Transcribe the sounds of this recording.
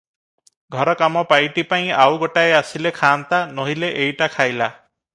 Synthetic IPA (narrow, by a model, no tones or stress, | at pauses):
ɡʱɔɾɔkamɔpajʈipaĩawɡoʈaeasilekʰaːnt̪anɔɦileʔejʈakʰajla